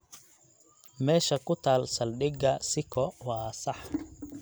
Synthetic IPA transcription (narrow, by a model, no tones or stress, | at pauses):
mɛːʃɐkʊt̪ʰaːlsɐlɗɪɡɐsɪkʰɔwɑːsɐħ